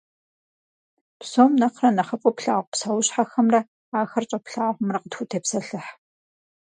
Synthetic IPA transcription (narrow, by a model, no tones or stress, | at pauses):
psoːmnɐqrɐnɐχɐpʼɔpɬaːʁʷpsawʊɕħaxɐmrɐ | aːxɐrt͡ʃʼɐpɬaːʁʷʊmrɐqətxʷutʰeːpsɐɬɨħ